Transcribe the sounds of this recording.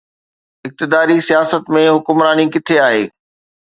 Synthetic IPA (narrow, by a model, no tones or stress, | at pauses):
ɪk̚t̪ɪd̪aːɾisijaːsət̪mẽɦʊkʊmɾaːnikɪt̪ʰeaːɦḛː